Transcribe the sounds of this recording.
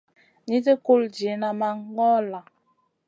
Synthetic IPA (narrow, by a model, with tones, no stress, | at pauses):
ɲi˦tə˦ku˦˨ld͡ʒi˨˦na˨ma˦ŋ˦ɡɔ˦la˨